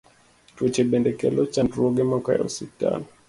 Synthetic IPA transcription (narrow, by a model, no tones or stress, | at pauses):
twɛt͡ʃɛɓɛndɛkɛ̰lɔt͡ʃantuɾɔɡɛmakaa̰ɔ̰sita̰nɔ